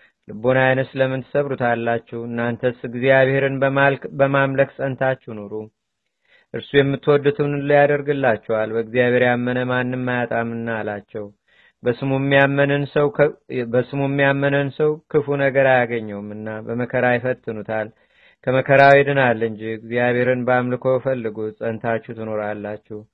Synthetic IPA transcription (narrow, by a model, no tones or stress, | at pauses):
lɨbo̞najnəsləmːɨnt̪ɨ̥səβɾut̪ʰalːat͡ʃːɛwɨnːant̪ʰəsɨɡzijaβhe̞ɾɨnbalbəmamləksʼənt̪ʰat͡ʃːɛhnoɾu | ʔɨɾsujɛmːɨt̪ːwɔd̪ːut̪ʰɨmnɨlojad̪əɾɡɨlːat͡ʃːɛwalbəɡzijaβhe̞ɾjamːənəmanːɨmmːajat̪ʼamɨnːaːlat͡ʃːɛw | bəsɨmumːijamːənɨnsəwbəsɨmumːijamːənɨnsəwkʰɨfunəɡəɾajaɡəɲːɛwmɨnːabəməkʰəɾajɪfət̪ʰːɨnut̪ʰal | kʰəməkʰəɾawid̪ɨnalːɨɲd͡ʒiɡzijaβe̞ɾɨnbəamlɨkʰo̞bɛfəlːɨɡusʼənt̪ʰat͡ʃːut̪ʰɨno̞ɾalːat͡ʃːɛh